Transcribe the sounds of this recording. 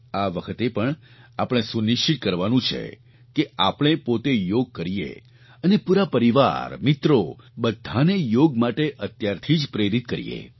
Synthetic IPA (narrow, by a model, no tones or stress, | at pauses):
aʋəkʰət̪epəɳ | apəɽ̃esuniʃt͡ʃit̪̚kəɾʋanũt͡ʃʰḛ | keapɽ̃epot̪ejoɡ̚kəɾijḛ | ənepuɾapəɾiʋa̰ɾmit̪ɾo | bəd̪ʱanejoɡmaʈeʔət̪jaɾt̪ʰid͡ʒpɾeɾit̪̚kəɾḭjḛ